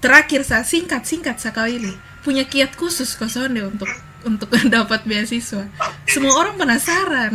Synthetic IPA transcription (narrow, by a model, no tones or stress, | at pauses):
t̪əɾakɪrsasiŋkat̪̚siŋkat̪̚sakawilɪh | puɲakiat̪̚kusʊskasondɛunt̪ʊk̚ | unt̪ʊk̚dapat̪̚beasisuwasəmuaoɾaŋpənasaɾan